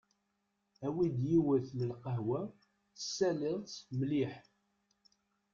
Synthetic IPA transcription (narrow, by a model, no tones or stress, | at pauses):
æwid̪jiwəθləlqəɦwæ | əsːælɪðˤt͡smliħ